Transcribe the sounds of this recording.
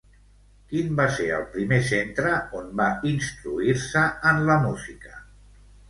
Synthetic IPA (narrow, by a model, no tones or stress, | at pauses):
kimbaseɾə̰lˠpɾimesent̪ɾəonbainst̪ɾuiɾsəənləmuzikə